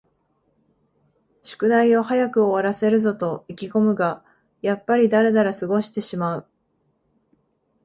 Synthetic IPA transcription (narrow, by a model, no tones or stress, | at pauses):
ɕɨ̥kɯ̟naio̞hajakɯ̟o̞βaɾase̞ɾɯ̟zo̞t̪o̞ikʲiko̞mɯ̟ɡa | japːaɾʲid̪aɾe̞d̪aɾasɨɡo̞ɕi̥t̪e̞ɕimaɯ̟